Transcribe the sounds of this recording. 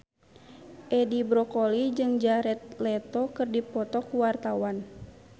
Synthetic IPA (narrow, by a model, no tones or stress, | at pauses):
ʔɛdibɾɔkɔlid͡ʒɨŋd͡ʒaɾɛt̪̚lɛt̪ɔkɨrdipɔt̪ɔkuwart̪awan